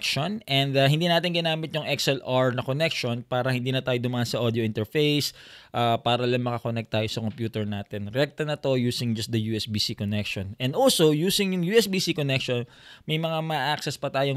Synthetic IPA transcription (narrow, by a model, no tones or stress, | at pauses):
kʃonʔɛnd̪ɐɦɪnd̪iːnaːt̪ɪnŋɡɪnaːmɪt̪jʊŋʔɛksɛlaɹnɐkonɛkʃonpaːɾɐhɪnd̪iːnɐt̪aːjod̪ʊmaʔɐnsɐʔod̪ɪjoʔɪnt̪ɛɹfejsʔaːpaːɾɐlɐŋmɐkɐkonɛk̚t̪ːaːjosɐkompjuːt̪ɛɹnaːt̪ɛnɾɛk̚t̪ɐnɐt̪o̞juːsɪŋd͡ʒɐst̪d̪ɐjuːɛsbiːsikonɛkʃonɛ̃nd̪ʔolsojuːsɪŋjʊŋjuːʔɛsbiːsikonɛkʃon | mɐjmɐŋamɐʔaksɛspɐt̪aːjo